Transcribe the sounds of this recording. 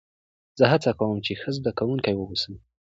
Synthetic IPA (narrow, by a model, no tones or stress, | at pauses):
z̥əɦat͡sakawəmt͡ʃexəzd̪akawuŋkajwəwusəl